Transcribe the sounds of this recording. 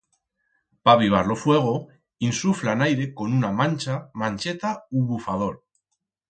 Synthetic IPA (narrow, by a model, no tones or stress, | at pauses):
paβiβ̞aɾlofwe̞ɣ̞o | insuflanajɾe̞ko̞nunamãnʲt͡ʃamãnʲt͡ʃe̞t̪auβufað̞o̞ɾ